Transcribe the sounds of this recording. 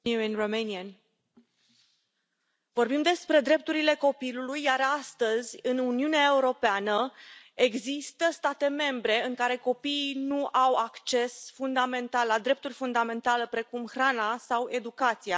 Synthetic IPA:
uenromeniən | vo̞rbimd̪e̞spɾe̞d̪ɾe̞p̚t̪uɾile̞ko̞pilulujːaɾast̪əzʲɨnuniuneae̞uɾo̞peanəe̞ɡzist̪əst̪at̪e̞me̞mbɾe̞ɨŋkaɾe̞ko̞piːnuʔawakt͡ʃe̞sfund̪ame̞nt̪allad̪ɾe̞p̚t̪urʲfund̪ame̞nt̪alepɾe̞kumxɾanasawe̞d̪ukat̪sija

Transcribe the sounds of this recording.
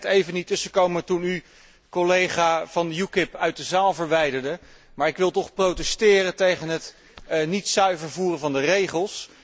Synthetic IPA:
tejvənitɵsəkowməətuny | kɔlejχaːv̥ɑnjukɪpœɥt̚dəzaːlˠvəɹʋɛjdəɹdə | maːɹɪkʋɪlˠtɔχprowtɛstɪːrətejχənɦət | nitsœɥvəɹvuːrəvɑndərejχəlˠs

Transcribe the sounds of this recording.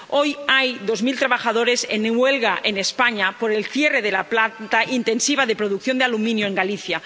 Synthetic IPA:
ojajðozmilt̪ɾaβ̞axað̞oɾesenːewelɣaʔenespaɲapoɾelθjereðelaplat̪aʔint̪ensiβ̞aðepɾoðuk̚θjo̞nd̪ealumĩnjoeŋɡaliθja

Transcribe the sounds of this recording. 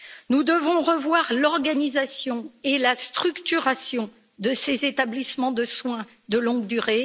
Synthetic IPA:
nud̪əvɔ̃ʁəvwaʁlɔʁɡanizasjɔ̃elast̪χykt̪yʁasjɔ̃ | d̪əsezet̪ablismɑ̃d̪əswɛ̃ | d̪əlɔ̃ɡd̪yʁe

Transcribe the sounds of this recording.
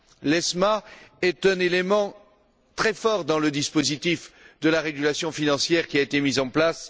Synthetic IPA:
lɛsmaɛt̪ɛ̃nelemɑ̃ | t̪χɛfɔʁd̪ɑ̃ləd̪ispozit̪ifd̪əlaʁeɡʲylasjɔ̃finɑ̃sjɛʁkʲiaet̪emizɑ̃plas

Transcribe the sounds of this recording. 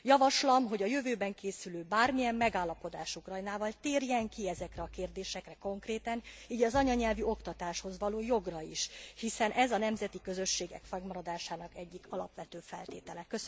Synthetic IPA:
jɒvɒʃlɒmɦo̞ɟɒjø̞vøːbɛŋkeːsyløːbaːrmijɛmːɛɡaːlːɒpo̞d̪aːʃukrɒjnaːvɒlt̪eːrjɛŋkiɛzɛkrɛɒkeːrd̪eːʃɛkrɛko̞ŋkreːt̪ɛniːɟɒzɒɲɒɲɛlvyo̞kt̪ɒt̪aːʃho̞zʋɒloːjoɡrɒiʃhisɛnʔɛzɒnɛmzɛt̪ikø̞zø̞ʃːeːɡɛ̰kfɛɡmɒɾɒd̪aːʃaːnɒkɛɟːikʰɒlɒ̰pʋɛt̪øːfɛ̰lt̪ḛːt̪ɛlɛkøs

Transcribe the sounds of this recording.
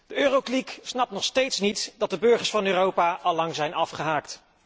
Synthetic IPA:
d̥əøːrokliksnɑp̚tnɔχstejtsnitd̥ɑt̚dəbɵɹχəɹsfɑnøːrowpaːʔɑlɑŋzɛjnɑfχəɦaːkt

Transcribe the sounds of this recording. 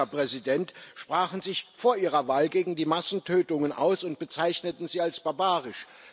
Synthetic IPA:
ɐpʁ̥ɛzidɛntʃpʁ̥aːχn̩zɪçfoːɐʔiːʁɐvaːlɡeːɡŋ̩diːmasn̩tʰøːtʊŋənʔa̰ʊsʊnt̚b̥ət͡saɪçnətn̩ziːalsb̥aɐbaːʁɪʃ

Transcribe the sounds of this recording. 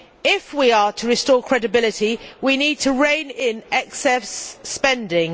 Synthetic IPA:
ɪfwiətʰəɹɪstɔːkʰɹ̥ɛdɪbɪlɪtiwiniːd̚tʰəɹẽɪ̃nɪ̃nɛksɛspɛ̃ndɪ̃ŋ

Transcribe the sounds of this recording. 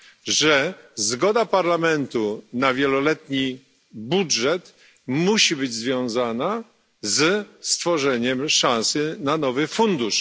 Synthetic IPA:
ʐɛzɡɔd̪apaɾlamɛnt̪unavʲjɛlɔlɛt̪ɲi | budʐɛt̪ | muɕibɘd͡ʑzvʲjɔ̃w̃zana | zst̪fɔʐɛɲɛmʂãñsɘnanɔvɘfund̪uʂ

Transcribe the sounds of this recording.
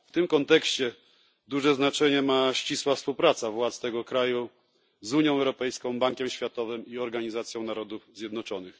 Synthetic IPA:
ft̪ɘmkɔnt̪ɛkɕt͡ɕɛ | d̪uʐɛznat͡ʂɛɲɛmaɕt͡ɕiswafspuwpɾat̪savwat̪st̪ɛɡɔkɾaju | zuɲjɔ̃w̃ɛwɾɔpɛjskɔ̃w̃baŋkʲɛmɕfʲjat̪ɔvɘmiɔɾɡaɲizat̪sʲjɔ̃w̃naɾɔd̪ufzjɛd̪nɔt͡ʂɔnɘx

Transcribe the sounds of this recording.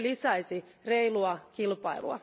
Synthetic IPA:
lisæisireiluɑkilpɑ̰ilṵɑ̰

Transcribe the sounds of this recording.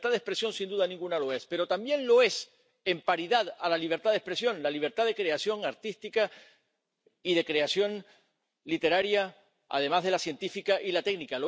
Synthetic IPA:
t̪aðespɾe̞sjo̞nsind̪uðanĩŋɡunalo̞e̞spe̞ɾo̞t̪ambje̞nlo̞e̞s | e̞mpaɾiðaðalaliβ̞e̞ɾt̪aðespɾe̞sjo̞nlaliβ̞e̞ɾt̪aðekɾe̞asjo̞ŋaɾt̪ist̪ika | iðe̞kɾe̞asjo̞n | lit̪e̞ɾaɾja | a̰ð̞e̞mazðe̞lasje̞nt̪ifikaʔilat̪e̞ɡnikalo

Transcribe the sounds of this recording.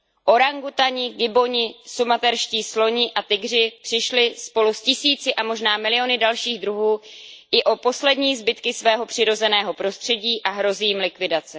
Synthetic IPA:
ʔo̞ɾaŋɡut̪aɲɪɡɪbo̞ɲɪsumat̪ɛɾʃciːslo̞ɲɪʔat̪ɪɡr̝ɪpr̥ɪʃlɪspo̞luscɪsiːt͡sɪʔamo̞ʒnaːmɪlɪo̞nɪdalʃiːɣdɾuɦuːɪʔo̞po̞slɛdɲiːzbɪt̪kɪsvɛːɦo̞pr̝̥ɪɾo̞zɛnɛːɦo̞pɾost̪r̥ɛɟiːʔaɦɾo̞ziːmlɪkvɪdat͡sɛ

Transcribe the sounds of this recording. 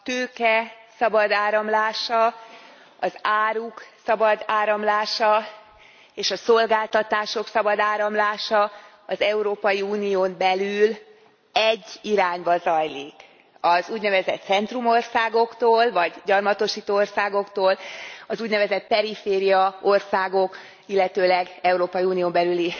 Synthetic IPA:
t̪øːkɛsɒbɒd̪aːɾɒmlaːʃɒ | ɒzaːɾuksɒbɒd̪aːɾɒmlaːʃɒ | eːʃɒso̞lɡaːlt̪ɒt̪aːʃo̞ksɒbɒd̪aːɾɒmlaːʃɒ | ɒzɛuɾoːpɒjiuːnijoːmbɛlyl | ɛɟːiɾaːɲbɒzɒjliːk | ɒzuːɟnɛvɛzɛt̪sɛnt̪rumo̞rsaːɡo̞kt̪oːlvɒɟɟɒrmɒt̪o̞ʃiːt̪oorsaːɡo̞kt̪oːlɒzuːɟnɛvɛzɛt̪̚pɛɾifeːɾijɒo̞rsaːɡo̞k | ilːɛt̪øːlɛɡɛuɾoːpɒjiuːnioːmbɛlyli

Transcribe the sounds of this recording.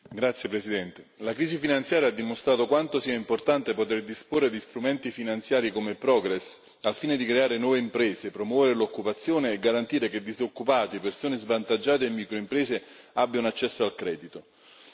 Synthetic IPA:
ɡɾat̪sːjepɾesid̪ɛnt̪elakɾiːsifinant̪sjaːɾjaad̪ːimost̪ɾaːt̪okwant̪osiːaimport̪ant̪epot̪erd̪isporːed̪ist̪ɾumɛnt̪ifinant̪sjaːɾikomepɾɔɡɾɛs | alfiːned̪ikɾeaːɾenwɔːveimpɾɛːzepɾomwɔːveɾelokːupat̪sːjoːneːɡːaɾant̪iːɾeked̪ːizokːupaːt̪ipersoːnezvant̪ad͡ʒːaːt̪eimːiːkɾoimpɾɛːze | abːjaunat͡ʃːɛsːoalkɾɛːd̪it̪o

